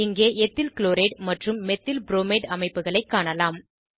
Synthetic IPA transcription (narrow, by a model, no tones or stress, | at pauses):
ɪŋɡeːʔɛt̪ːɪlkɪloːɾeːʈmɐʈrɯmːɛt̪ːɪlbɾoːmeːʈɐmɐɪpːɯɣɐɭɐɪkːaːɳɐlaːm